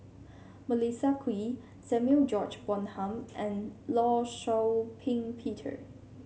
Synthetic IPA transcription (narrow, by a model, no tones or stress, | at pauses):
məlisakʰwi | sɛ̃mjuld͡ʒɔt͡ʃbɔ̃nhãmʔɛ̃nlɔʃɔpʰĩŋpʰitʰə̰